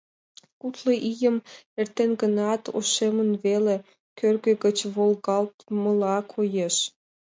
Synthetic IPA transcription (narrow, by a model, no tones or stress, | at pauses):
kut̪ləʔijəmert̪enɡənɑt̪ʰo̰ʃemənβele | kørɣə̆ɣə̆t͡ɕβolɣɑlt̪mə̆lɑkʰojeʃ